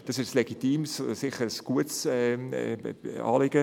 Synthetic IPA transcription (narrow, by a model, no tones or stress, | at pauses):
d̥ɑsɪʃsleɡitiːmssɪχəɾəsɡ̥uətsɛ̰ | ɑ̰ːlɪɡ̥ə